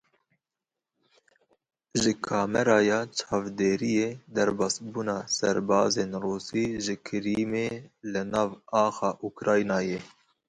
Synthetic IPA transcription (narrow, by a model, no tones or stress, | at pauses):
ʒɨkʰɑːmɛɾɑːjɑːt͡ʃʰɑːvd̪eːɾijeːd̪ɛɾbɑːsbuːnɑːsɛ̰ɾbɑːzeːnruːsiːʒɨkʰɨɾiːmeːlɨnɑːvɑːxɑːʔukɾɑːjnɑːjeː